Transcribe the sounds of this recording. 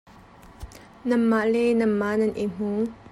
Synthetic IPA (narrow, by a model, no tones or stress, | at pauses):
nɐmːaʔlɛnɐmːanɐnʔim̥u